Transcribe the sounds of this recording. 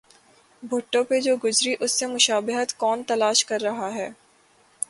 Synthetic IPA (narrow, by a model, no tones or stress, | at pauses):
bʱʊʈːõped͡ʒoːɡʊd͡ʒɾiʔʊsːemʊʃaːbɪɦət̪kɔːnt̪ɐlaːʃkɐɾːɐɦaɦɛː